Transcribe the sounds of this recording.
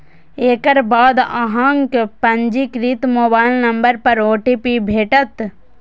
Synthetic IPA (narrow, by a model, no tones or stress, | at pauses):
eːkəɾbaːd̪a̰ɦãŋkpɐɲd͡ʒikɾit̪moːbaːɪlnɐmbəɾpɐɾoːʈiːpibʱeːʈət̪